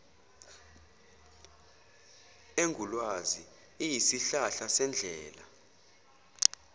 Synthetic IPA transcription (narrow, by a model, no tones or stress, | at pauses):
eŋɡʱulwazi | ijisiɬaɬasɛnd͡ɮʱɛːla